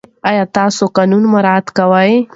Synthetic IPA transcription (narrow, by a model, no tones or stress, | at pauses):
ajɑt̪ɑsoqɑnunmaɾɑd̪kawəj